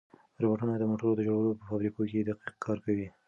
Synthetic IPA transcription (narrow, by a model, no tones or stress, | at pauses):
ɾoboʈunad̪əmoʈəɾod̪əd͡ʒoɽawəlopəfɑbɾikoked̪aqiq̚kʰɑɾkawi